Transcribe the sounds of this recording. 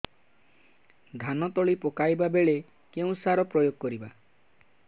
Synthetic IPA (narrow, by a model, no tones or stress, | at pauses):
d̪ʱanɔt̪ɔɭipɔkajbabeɭe | keũsaɾɔpɾɔjoɡ̚kɔɾiba